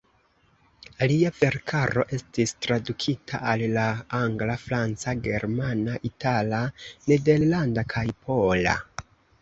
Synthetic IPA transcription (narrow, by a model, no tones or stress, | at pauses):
aliave̞ɾkʰaɾo̞ʔe̞stistɾadukʰitʰa̰ʔallaaŋɡlafɾant͡saɡe̞ɾmanaʔitalane̞de̞ɾlandakʰajpʰo̞la̰